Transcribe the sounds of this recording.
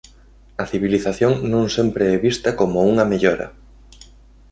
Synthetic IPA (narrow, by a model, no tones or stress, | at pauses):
ɐθiβiliθaθjoŋnõŋsempɾeɛβist̪ɐkomouŋɐmeʎoɾɐ̰